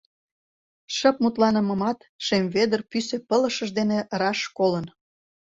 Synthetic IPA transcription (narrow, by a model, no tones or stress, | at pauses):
ʃə̆p̚mut̪lɑnə̆mə̆mɑt̪ | ʃemved̪ərpysepələ̆ʃəʒd̪enerɑʃkolən